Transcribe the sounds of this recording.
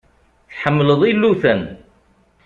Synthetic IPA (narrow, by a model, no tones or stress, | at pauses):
θħəmːləðˤilːuθæn